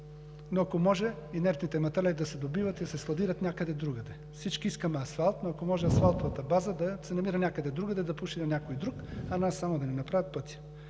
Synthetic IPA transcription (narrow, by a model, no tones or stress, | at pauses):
noɐkomɔʒɛ | inɛɾt̪nit̪ɛmɐt̪ɛlɛlid̪ɐsɛd̪obivɐt̪id̪ɐsɛslˠɐd̪iɾɐt̪nʲakəd̪ɛd̪ɾuɡɐd̪ɛ | fsit͡ʃkiiskəmɛɐsfalˠt̪noɐkomɔʒɛɐsfalˠt̪ovɐt̪ɐbazəd̪ɐsɛnɐmiɾənʲakəd̪ɛd̪ɾuɡəd̪ɛd̪ɐpuʃinɐnʲakojd̪ɾukɐnasːamod̪ɐnɛnɐpɾavət̪̚pɤt̪ʲi̥